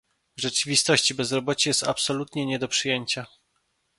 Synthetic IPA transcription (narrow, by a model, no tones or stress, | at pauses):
ʐɛt͡ʂɘvʲist̪ɔɕt͡ɕibɛzɾɔbɔt͡ɕɛjɛst̪apsɔlut̪ɲɛɲɛd̪ɔpʂɘjeɲt͡ɕa